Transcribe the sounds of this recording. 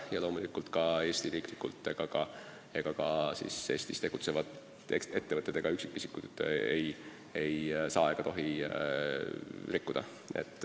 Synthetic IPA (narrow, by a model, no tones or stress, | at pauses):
jɑlo̞ːmulikːult̪kɑe̞ːst̪iɾiːklikːult̪ːˑe̞ɡ̥ɑkɑ | e̞ɡ̥ɑkɑsḭse̞ːst̪ist̪e̞ɡ̥ut̪se̞vɑt̪ | ee̞t̪ːe̞vɤt̪ːˑet̪ːeɡ̥ɑyksi̥kːˑisi̥kːut̪ːḛj | e̞jsɑːeɡ̥ɑt̪o̞ɦi | rikːud̪̥ɑ̰ | ʔḛt̪ːˑ